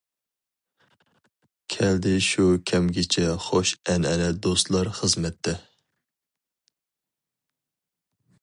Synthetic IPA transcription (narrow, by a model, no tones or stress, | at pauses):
kʲʰɛld̪ɪʃukʲʰɛmɡʲɪt͡ʃʰɛχoʃɛnɛlɛd̪ost̪lˠɑɾχəzmɛt̪ʰːɛ